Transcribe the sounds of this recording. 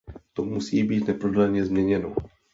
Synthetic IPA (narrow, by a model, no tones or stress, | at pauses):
t̪omusiːbiːt̪nɛpɾodalɲɛzmɲɛɲɛno̰